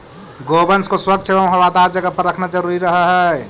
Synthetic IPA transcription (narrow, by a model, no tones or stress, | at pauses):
ɡobənskoswəɡ̪̚t͡ʃʰebam̃ɦəwad̪aɾd͡ʒəɡəpəɾəkʰnad͡ʒəɾuɾiɾəɦəɦɛ